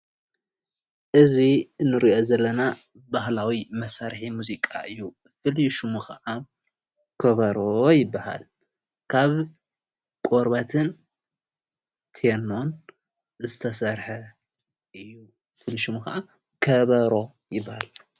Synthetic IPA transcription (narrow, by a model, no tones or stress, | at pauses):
ʔɨzinɨɾiʔo̞zɐlːɐna | baɦlawimɐsaɾħimuzikʼa̰ɨjːu | fɨliʃumukʰɐʔa | kʰɐβɐɾojɪbːaha̰l | kʰaβ | kʼoɾbat̪ʰɨn | t̪ʰɛno̞n | zɨt̪ʰɐsɐɾħɐ | ɨjːu | fɨliʃumukɐ̰ʔa | kʰɐβɐɾo̞ | jɪbːahal